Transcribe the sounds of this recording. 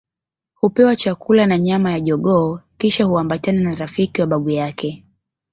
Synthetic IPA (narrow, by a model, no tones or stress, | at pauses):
hupɛwat͡ʃakulanaɲamajaʄɔɠɔːkiʃahuambatananaɾafikiwaɓaɓujakʰɛ